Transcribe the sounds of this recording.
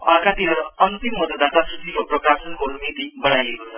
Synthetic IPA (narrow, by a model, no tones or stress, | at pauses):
ʌkat̪iɾʌʌnt̪imːʌd̪ʌd̪at̪asrut̪ikoprʌkasʌnkonumit̪ibʌɽ̃ajekot͡sʰʌ